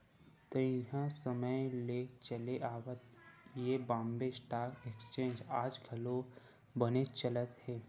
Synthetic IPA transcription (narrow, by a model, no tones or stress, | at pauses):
t̪əɦãsəməjlet͡ʃəleʔaːwət̪jebãːmbesʈaːkekst͡ʃẽːɲd͡ʒaːd͡ʒɡʱəlo | bənet͡ʃələt̪ɦeː